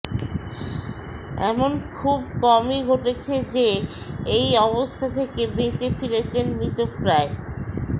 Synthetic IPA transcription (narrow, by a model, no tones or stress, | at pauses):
ɛmonkʰubkɔmiɡʱoʈet͡ɕʰed͡ʑe | ejɔβost̪ʰat̪ʰekebet͡ɕefilet͡ɕʰenmɾit̪opɾae